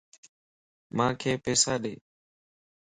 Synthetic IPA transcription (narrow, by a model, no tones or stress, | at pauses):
mãːkʰeːpɛːsaːɗeː